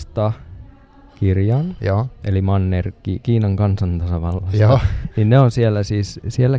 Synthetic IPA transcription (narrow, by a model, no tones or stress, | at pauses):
st̪ɑ | kirjɑnjoʔelimɑnːerkːikiːnɑŋkɑnsɑnt̪ɑsɑʋɑlːɑsninneonsielːæsiːssielːæ